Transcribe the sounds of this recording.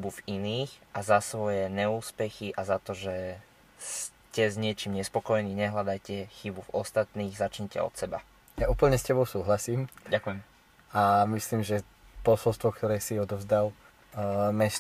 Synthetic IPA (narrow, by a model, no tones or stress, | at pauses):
buviniːxʔazasʋɔjɛɲɛuːspɛxiʔazat̪ɔʒɛ | s | cɛzɲɪɛt͡ʃiːmɲɛspɔkɔjɛniːɲɛɦlad̪ajcɛxibuvɔst̪at̪niːɣzat͡ʃɲɛcɛ̰ɔ̰t̪sɛba̰ | jauːpl̩ɲɛscɛbɔʊsuːɦlasiːmɟakujɛm | amisliːmʒɛ | pɔsɔlst̪ʋɔkt̪ɔɾɛːsiɔd̪ɔvzd̪al | mɛs